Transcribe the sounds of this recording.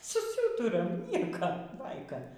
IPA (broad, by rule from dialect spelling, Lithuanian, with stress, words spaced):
sʊˈsuːtʊrɐm ˈnʲiɛkoː ˈbɐɪkɐ